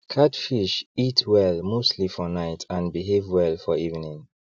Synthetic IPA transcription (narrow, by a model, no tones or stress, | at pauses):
kʰatfiʃitʰwɛlmostʰlifɔnaɪtʰãnbiɦevwɛlfɔivnĩŋ